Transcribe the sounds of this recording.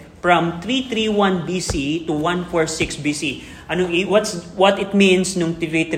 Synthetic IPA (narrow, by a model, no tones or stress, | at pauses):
fɹɐmt̪ɾit̪ɾiwãnbisit̪ʊwãnfɔɹsɪksbisi | ʔɐnoʔiwɐt̪swɐt̪ɪt̪̚mĩnsnʊŋt̪ivit̪